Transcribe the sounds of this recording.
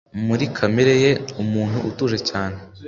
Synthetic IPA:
muɾikʰameɾe̞je̞umuːnhuʔutuʒe̞caːne

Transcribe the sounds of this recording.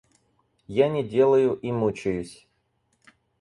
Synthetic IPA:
janʲɪdʲe̞lˠəjʊʔimut͡ɕɪjʊsʲ

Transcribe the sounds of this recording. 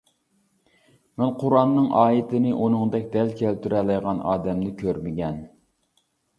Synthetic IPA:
mɛnqʰʊɾɑnːɨŋɑːit̪ʰɪnɪʔunɨŋd̪ɛkʲd̪ɛlkʲʰælt̪ʰyɾɛlɪjʁɑnɑ̰ːd̪ɛmnɪkʲʰøɾmɪɡʲɛn

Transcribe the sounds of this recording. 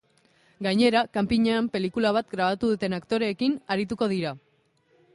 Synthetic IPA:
ɡajɲe̞ɾakampiɲeampe̞likulaβ̞at̪ɡɾaβ̞at̪uðut̪e̞nakt̪o̞ɾe̞ːkinaɾit̪̬uko̞ðiɾa

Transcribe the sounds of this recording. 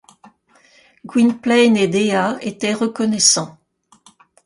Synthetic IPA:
ɡwinplɛjned̪eaet̪ɛʁəkɔnɛsɑ̃

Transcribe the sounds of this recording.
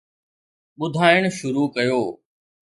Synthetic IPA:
ɓʊd̪ʱaːɪɽ̃ʃʊɾuːkɐjoː

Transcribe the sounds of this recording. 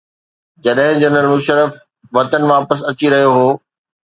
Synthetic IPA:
d͡ʑɐɗɦɪ̃d͡ʑɐnəlmʊʃəɾəf | ʋɐt̪ənʋaːpəs̬ɐt͡ɕiɾɐɦijoɦoː

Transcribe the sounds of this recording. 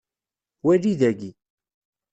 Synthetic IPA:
wælːiðæɡi

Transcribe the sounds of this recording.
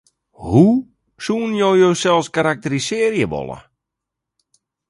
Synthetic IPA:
hu | suənjowjowsɛlˠskaɾak̚tərisɪərjəʋɔ̰lˠə̰

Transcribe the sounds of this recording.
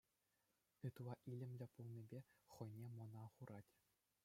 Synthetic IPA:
ɯt̪uʋˠɑʔilʲɘ̆mʲlʲɘ̆pulˠnʲibʲeχɤ̆jnʲemɤ̆nɑχuɾɑtʲ

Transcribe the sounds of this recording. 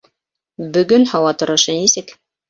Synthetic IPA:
bɵ̆ɡɵnhɑwɑt̪ŏɾŏʃɤnisɘk

